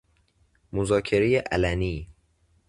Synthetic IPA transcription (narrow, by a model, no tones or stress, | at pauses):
mozɒːkʰe̞ɾejeʔælæniː